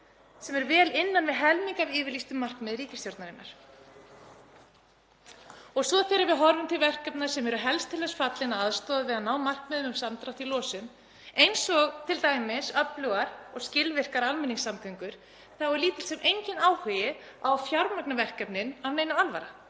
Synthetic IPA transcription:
sɛmɛɾvɛːlɪnːanvɪðɦɛlmiŋkavɪːvɪɾlist̪ʏmːar̥kmɛːðɾiːcɪ̥st̪joɾt̪naɾɪnːa̰ɾ̥ | ɔɣsvɔðθɛːɾɪɾvɪðɦɔɾvʏmt̪ʰɪlvɛr̥kɛpnḁsɛmɛɾʏɦɛlst̪ʰɪlɛsfat̪lɪnaaðst̪ɔːðaðvɪðanaːwmar̥kmɛːðʏmʏmsamt̪ɾaht̪ilɔːsʏm | ejnsɔɣt̪ʰɪlt̪aːjmɪsœplœɣaɾɔɣscɪlvɪr̥kaɾalmɛnːiŋsːamθʰʏŋkʏɾ̥ | θawɛɾliːt̪ɪl̥sɛmʔejɲcɪnaːwhœjɪawfjaɾmaknavɛr̥kɛpnɪnavnejnaalva̰ɾa̰

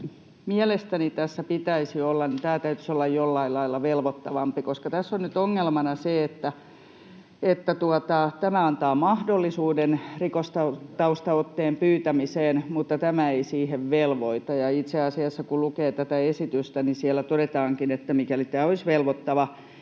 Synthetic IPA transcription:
miɛlest̪ænit̪æsːæpit̪æisiolːɑnnit̪æːt̪æyt̪y̥solːɑjjolːɑilːɑilːɑʋelʋot̪ːɑʋɑmpikoskɑt̪æsːonnyt̪oŋːelmɑnɑseet̪ːæ | et̪ːæt̪uɑt̪ɑt̪æmæɑnt̪ɑːmɑhdolːisuːdenrikost̪ɑt̪ɑust̪ɑot̪ːeːmpyːt̪æmiseːnmut̪ːɑt̪æmæeisiːheʋʋelʋoit̪ɑjɑit̪seɑsiɑsːɑkulukeːt̪æt̪æesit̪yst̪ænisiælːˑæt̪odet̪ɑːŋkinet̪ːæmikælit̪æːoisʋelʋot̪ːɑʋɑ

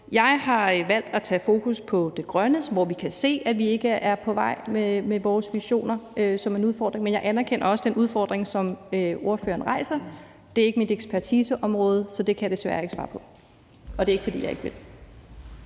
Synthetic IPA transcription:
jɑ̈ɪhɑ̈ʋæl̰d̥æt͡sʰɛ̰ːfo̝ːkʰuspʰɒ̽d̥e̝ɡ̥ʁɶnəsʋɒʋikʰæse̝̰ːædʋie̝ɡ̥əʔæɐpʰɒ̽ʋɑ̈ɪ̰memeʋɒːsʋiɕo̝̰ːnɐʔøsɒ̽menuðˠfɒ̰ːd̥ʁeŋmenjɑ̈ɪʔænæɐkʰenɐɒ̽səd̥enʔuð̞ˠfɒ̰ːd̥ʁeŋsɒ̽møo̝ɐfø̰ːɐːn̩ʁɑ̈ɪsɐ | d̥e̝ɐe̝ɡ̥əmid̥eɡ̥spʰæɐt͡sʰiːsəʔɒ̽mʁɔ̽ːð̞ˠsɒ̽d̥e̝kʰæjd̥esʋæɐe̝ɡ̥sʋɑ̰̈ːpʰɒ̽ | ɒ̽d̥e̝ɐeɡ̥əfɒ̽d̥ḭːjɑaeɡ̥əʋe̝l

